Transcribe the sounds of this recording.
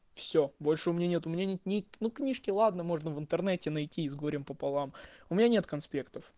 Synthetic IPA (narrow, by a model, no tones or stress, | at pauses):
fsʲobo̞lʲʂɨʊmʲɪnʲanʲet̪ʊmʲɪnʲanʲet̪nʲɪnuknʲiʂkʲɪlˠad̪nəmo̞ʐnəvɨnt̪ɨrnɛtʲɪnɐjtʲizɡoɾʲɪmpəpɐlˠamʊmʲɪnʲanʲe̞t̪kɐnspʲe̞kt̪əf